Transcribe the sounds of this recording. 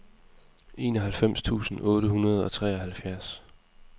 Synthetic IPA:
e̝ːnɒ̽ɦælfem̰st͡sʰṵːsn̩ɔ̽ːɾəhunɐð̞ˠɒ̽t͡sʰʁɛ̰ːɒ̽ɦælfjæɐs

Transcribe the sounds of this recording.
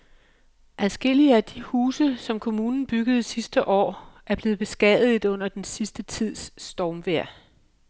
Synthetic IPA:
ʔæðˠsɡ̥e̝l̰iəæd̥ihuːsəsɒ̽mkʰo̝muːnn̩b̥yɡ̥əð̞̩ˠsisd̥əʔɒ̰ːæɐb̥le̝ːð̩ˠb̥e̝sɡ̥ɛð̩ˠɔ̽n̰ɐd̥ensisd̥ət͡sʰið̰ˠsːd̥ɒːmʋeɐ̰

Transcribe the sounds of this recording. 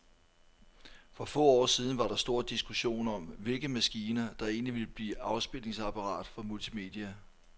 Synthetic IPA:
fʁɒ̽fɔ̰̽ːɒ̰ːsið̞ˠn̩ʋɑ̈ɾ̥ɑ̈sd̥o̝ɐd̥isɡ̥uɕo̝̰ːnɒ̽mʋe̝lɡ̥əmæsɡ̥iːnɐd̥ɑ̈e̝ːnliʋe̝ləb̥lḭːɑ̈ʊsb̥el̰e̝ŋsɑ̈pʰɑ̈ʁɑ̰̈ːd̥fɒmult͡sʰime̝̰d̥iæ

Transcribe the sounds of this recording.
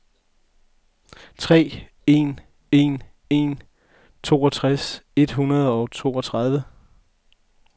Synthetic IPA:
t͡sʰʁɛ̰ː | e̝n | e̝n | e̝n | t͡sʰo̝̰ːɒt͡sʰʁase̝d̥ɦunɐðˠɒ̽ʊt͡sʰo̝ːɒ̽t͡sʰʁɑ̈ð̞ˠʋə

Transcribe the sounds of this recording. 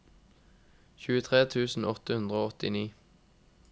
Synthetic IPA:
çʉːət̪ʰʁeːt̪ʰʉːsn̩ɔt̪əhʉnd̪ʁəoːɔt̪ɪniː

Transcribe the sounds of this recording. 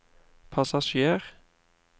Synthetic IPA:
pʰɑsɑʃeːʁ

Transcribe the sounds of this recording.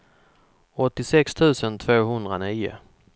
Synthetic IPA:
ɔt̪ːɪsɛkst̪ʰʉ̟ːsənt̪ʰvoːɦɵnd̪ɾaniːʊ̰

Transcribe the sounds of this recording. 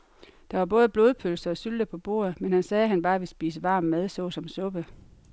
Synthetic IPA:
d̥ɑ̈ʋɑ̈b̥ɔ̽ːð̞ˠb̥lo̝ːðˠpʰølsɐɒ̽syld̥əpʰɒ̽b̥o̝̰ːɐ̰ð̞̩ˠmenhænsɛːɦænb̥ɑ̈ːʋisb̥ḭːs̬əʋɑ̈ːmmeð̞ˠsɔ̽ːsɒ̽msɔ̽b̥ə

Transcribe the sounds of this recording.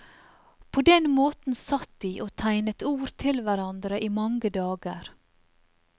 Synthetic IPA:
pʰoːd̪ɛnmoːt̪n̩sɑt̪̚d̪iːʔoːt̪ʰæɪnət̪uːɾt̪ʰɪlʋæɾɑnd̪ɾəʔiːmɑŋɡəd̪ɑːɡəɾ

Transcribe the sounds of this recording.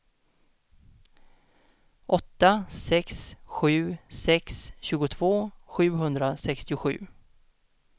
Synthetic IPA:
ʔɔt̪ːasɛksɧʉ̟ːsɛksɕʉ̟ːɡʊt̪ʰv̥oːɧʉ̟ːɦɵnd̪ɾasɛkst̪ɪʊɧʉ̟̰ː

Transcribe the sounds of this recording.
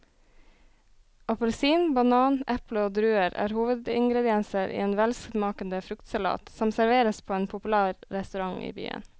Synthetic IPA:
ɑpʊlsiːnbɑnɑːnʔɛpləoːd̪ɾʉːəɾæ̰ːɾhuːʋəd̪ɪŋɡɾɛd̪ɪɛnsəɾʔḭːeːnʋɛlskmɑːkənd̪əfɾʉkt̪sɑlɑ̰ːt̪sɔmsæɾʋeːɾəspʰoːeːnpʰʊpʉlæːɾɾɛst̪ʉɾɑŋḭːby̰ːə̰n

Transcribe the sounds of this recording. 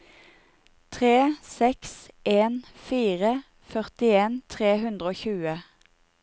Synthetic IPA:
t̪ʰʁeːsɛksʔeːnfiːʁə | fœʁt̪ɪeːnt̪ʰʁeːhʉnd̪ʁəoːçʉːə

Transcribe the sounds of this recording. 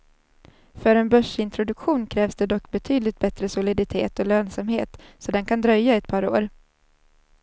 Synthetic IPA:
fœɾɛnbœʂɪnt̪ʰɾʊd̪ɵkɧuːnkʰɾɛːvsd̪ɛd̪ɔkːbɛt̪ʰyːd̪lɪt̪̚bɛt̪ɾəsʊlɪd̪ɪt̪ʰḛːt̪ɔløːnsamhḛːt̪sɔd̪ɛnkʰand̪ɾœjːaɛt̪̚pʰɑːɾo̰ːɾ

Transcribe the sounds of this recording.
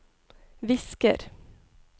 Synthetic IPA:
ʋɪskə̰ɾ

